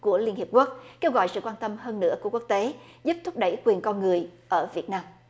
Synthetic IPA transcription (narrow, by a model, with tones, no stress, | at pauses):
ku˧˩əli˧ənhp̚ku˦˥ək̚ke˧wɣɔ̰˧˨jsɨ̰˧˨kwaː˧nt̪ə˧mhəː˧nːɨ̰˧˥əku˧˩ku˦˥k̚t̪e˨˦zu˦˥p̚t̪ʰʊ˦˥k͡p̚ɗə˧˩jkwi˨˩nkɔ˧nŋɨ˨˩əjʔəː˧˩vi˨˩ət̚naː˧m